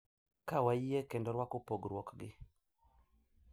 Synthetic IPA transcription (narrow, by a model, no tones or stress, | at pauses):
kawaiekendɔɾwakopoɡɾwɔkɡɪ